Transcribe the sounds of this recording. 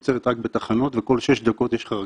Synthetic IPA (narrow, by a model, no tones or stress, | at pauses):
t͡seʁet̪ʁak̚bet̪aχano̞t̪veko̞lʃeʃd̪ako̞t̪jeʃχaʁ